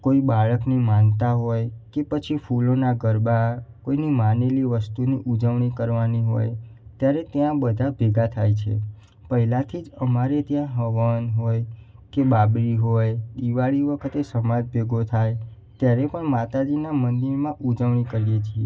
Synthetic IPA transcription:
koibaɭəknimant̪aɦojkepət͡ʃʰifulonaɡəɾbakoinimaneliʋəst̪uniʔud͡ʒəʋɳ̃ikəɾʋaniɦo̰jt̪jaɾet̪jãbəd̪ʱabʱeɡat̪ʰajt͡ʃʰḛ | pəɦilat̪ʰid͡ʒəmaɾet̪jãɦəʋənɦoj | kebabɾiɦojd̪iʋaɭiʋəkʰət̪esəmad͡ʒbʱeɡot̪ʰaj | t̪jaɾepəɳmat̪ad͡ʒinamənd̪iɾmãʔud͡ʒəʋɳ̃ikəɾijet͡ʃʰie

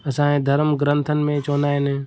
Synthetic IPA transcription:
əsãːẽːd̪ʱəɾmɡɾə̃nt̪ʰənɪ̆mẽt͡ʃoːnaːeneː

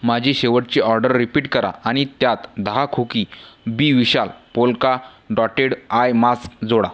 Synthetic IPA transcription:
mad͡ʑʱiːɕeʋəʈ̚t͡ɕiːʔɔɾɖəɾːipiːʈkəɾa̰aɽ̃it̪jat̪d̪aɦakʰukiːbiʋiɕalpolka | ɖɔʈeɽajmaskd͡zoɽa̰

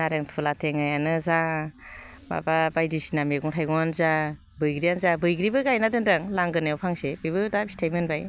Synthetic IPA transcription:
naɾeŋtʰulatʰeŋajanɯza | ba̰babajdisinameɡɔŋtʰajɡɔŋanza | bɯjɡɾijanzabɯjɡɾibɯɡajnadɯndaŋlaŋɡɯnajawpʰaŋsebɯjbɯdabistʰajmenbaj

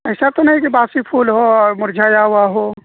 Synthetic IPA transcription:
ɛɪsat̪onɐɦĩkibaːsipʰuːlɦoɔɾmʊɾd͡ʒʱaːjaɦʊaɦoː

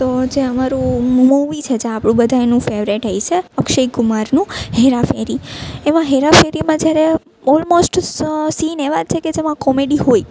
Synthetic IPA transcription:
t̪od͡ʒeəmaɾũmuʋit͡ʃʰed͡ʒeapɽ̃ũbəd̪ʱajnũfeʋɾeʈɦəjt͡ʃʰeəkʃəikumaɾnũɦeɾafeɾiemãɦeɾafeɾimãd͡ʒjaɾe | ɔlmosʈsineʋad͡ʒt͡ʃʰeked͡ʒemãkɔmeɖiɦoi

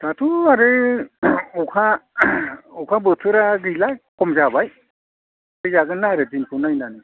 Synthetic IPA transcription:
tatʰuaɾɯ | ɔkʰa | ɔkʰabɯtʰɯɾaɡɯjlajkɔmzabaj | ɯjzaɡɯnaɾɯdinpʰɯnajnanɯ

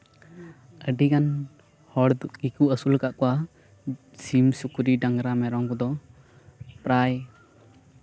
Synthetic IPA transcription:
əɖikan | hɔɽd̪uɡikuʔəsulkaʔkɔwa | simsukuɾiɖaŋɾamɛɾɔŋkɔd̪ɔ | pɾaj

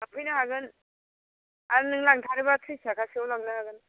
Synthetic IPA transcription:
apʰɯjnaɦaɡɯn | aɾɯnɯŋlaŋtʰaɾibatʰɯjsakʰasiawlaɡnaɦaɡɯn

